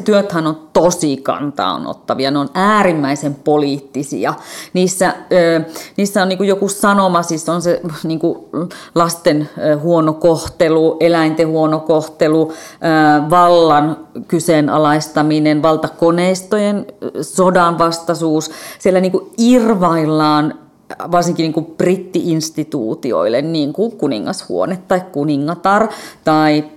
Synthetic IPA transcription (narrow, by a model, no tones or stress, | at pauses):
t̪yøt̪hænont̪osikɑ̰nt̪ɑ̰ːo̰no̰t̪ːɑʋiɑneonæːrimːæisempoliːt̪ːisḭɑniːsːæəːniːsːæoniːŋkujokusɑnomɑsisːonseniːŋkulɑst̪enhuonokoht̪eluʔelæint̪ehuonokoht̪eluəːʋɑlːɑnkysenɑ̰lɑist̪ɑminenʋɑlt̪ɑkoneist̪ojensodɑnʋɑst̪ɑsuːssielːæniːŋkuirʋɑilːɑːn | ʋɑrsiŋkiniːŋkuprit̪ːiʔinst̪it̪ṵːt̪io̰ilːˑenniːŋkukunḭŋːɑshṵo̰net̪tɑikkuniŋːɑt̪ɑrt̪ɑi